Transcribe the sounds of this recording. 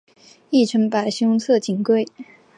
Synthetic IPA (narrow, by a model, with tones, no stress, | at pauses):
i˥˩ʈ͡ʂʰə˧˥ŋpa˨˩ɪɕi˥t͡sʰɤ˥˩t͡ɕi˨˩nkwe˥˩ɪ